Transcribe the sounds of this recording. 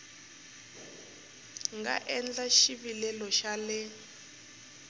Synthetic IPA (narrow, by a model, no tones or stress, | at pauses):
ŋɡa̰ʔɛnd͡ɮaʃiβilɛlɔʃalɪ